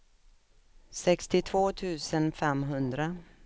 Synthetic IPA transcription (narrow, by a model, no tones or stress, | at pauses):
sɛkst̪ɪt̪ʰvoːt̪ʰʉ̟ːsənfɛmɦɵnd̪ɾa